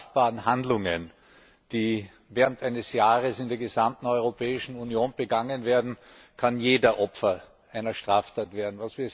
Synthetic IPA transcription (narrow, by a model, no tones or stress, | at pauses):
b̥aːʁən̩ɦandlʊŋə̰n | d̥iː | vɛːɐʁəntʔæɪnəsjaːʁəsɪndeːɐɡəzamtn̩ɔʏʁopʰɛːɪʃn̩unjoːnb̥əɡaŋənveːɐdn̩ | kʰanjeːdɐʔɔpfɐ | ʔæɪnɐʃtʁ̥aːftʰaːtv̥eːɐdn̩vasv̥iːɐ